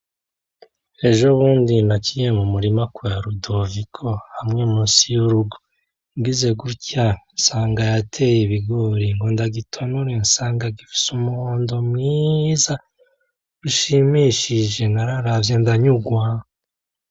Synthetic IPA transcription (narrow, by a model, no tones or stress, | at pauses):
e̞ʒo̞βuːndinacijemumuɾimakuaɾudovikʰo̞hamŋemusijuɾuɡo | ŋɡize̞ɡuɾcansaːŋɡajatʰe̞jeβiɡoːɾiŋɡo̞ndaɡitʰo̞nuɾensaːŋɡaɡifi̥sumuhoːndo̞mŋiːza | ɾuʃimiʃiʒe̞naɾaɾavjendaɲuɡwa